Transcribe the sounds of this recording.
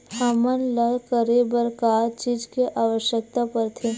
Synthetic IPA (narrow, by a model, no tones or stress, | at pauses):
hamənləkəɾebəɾkaːɾt͡ʃiːd͡ʒkeʔaːʋəʃjək̚t̪apəɾt̪ʰe